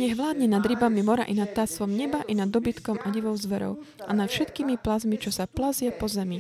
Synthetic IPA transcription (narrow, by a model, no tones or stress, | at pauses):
ɲɛɣʋlaːd̪ɲɛnad̪ɾibamimɔɾa̰ʔinat̪̚t̪ːasʋɔmɲɛbaʔinad̪ːɔbit̪kɔmʔaɟiʋɔʊzʋɛɾɔ̰ʊ | ʔa̰nat̪fʃɛt̪kiːmiplazmit͡ʃɔsaplazɪapɔzɛmi